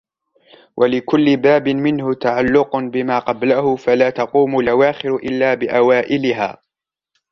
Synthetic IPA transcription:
wʔalɪkʊlːɪbaːbɪmɪnhʊt̪aʕalːʊqʊbɪmaːqɑblahʊfalaːt̪ɑquːmʊlʔawaːxɪɾʊʔɪlːaːbɪʔawaːʔɪlɪɦa̰ː

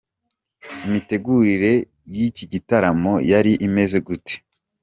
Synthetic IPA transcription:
imite̞ɡuɾiɾe̞ | jiciɟitaɾamo̞jaɾiʔime̞ze̞ɡute̥

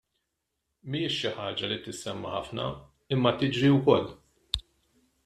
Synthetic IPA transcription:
miːɪʃːɪħɐːd͡ʒɐlit̪ɪsːɛmːɐħɐ̰fnɐ̰ | ɪmːɐt̪ɪd͡ʒɾiwkɔlː

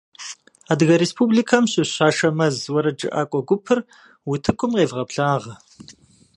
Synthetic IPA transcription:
aːdɣɐɾespʰublikʰɐmɕʼɪɕaːʂɐmɐzwɐɾɐd͡ʒʼɨ̰ʔa̰ːkʷʼɔɡʷʊpʰɨr | wʊtʰɨkʷʰʊmqeːɮʁɐpɬaːʁɐ

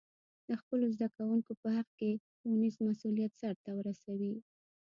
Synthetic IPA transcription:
d̪əxpəlozd̪akawuŋkopəhaqke | unizmasulijat̪saɾt̪awəɾasawi

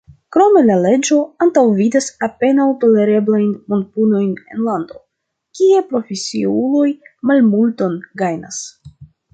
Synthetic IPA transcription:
kɾo̞me̞lale̞d͡ʒo̞antawvidasape̞nawto̞le̞ɾe̞blajnmo̞nt̚puno̞jne̞̰nlando̞ | kie̞pɾo̞fesiulo̞jmalmulto̞nɡajna̰s

